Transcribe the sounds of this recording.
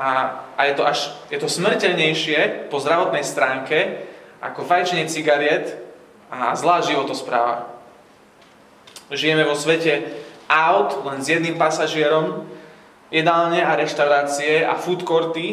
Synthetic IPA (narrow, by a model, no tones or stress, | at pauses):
aːjɛt̪ɔʔaʃjɛt̪ɔsmɾicɛʎɲɛjʃɪɛpɔzd̪ɾaʋɔt̪nɛjst̪ɾaːŋkɛʔa̰kɔfajt͡ʃɲɛt͡siɡaɾɪɛt̪ː | zlaːʒiʋɔt̪ɔspɾa̰ːʋa̰ | ʒijɛmɛʋɔsʋɛcɛʔaʊt̪lɛnzjɛd̪nimpasaʒɪɛɾɔm | ɛd̪aːlɲɛaɾɛʃt̪aʊɾaːt͡siɛa̰fut̪kɔɾt̪i